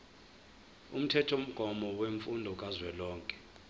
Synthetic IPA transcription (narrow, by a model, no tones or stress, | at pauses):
um̩tʰɛtʰom̩ɡ̥ʱɔmɔweɱfundʱɔk̬ʼazwɛlɔːŋkʼɛ̥